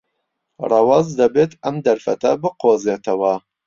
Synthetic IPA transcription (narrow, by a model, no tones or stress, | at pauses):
rˤɑwɑzd̪ɐbeːt̪ɐmd̪ɐɾfɐt̪ɐbɨqoːzeːt̪ɐwɐ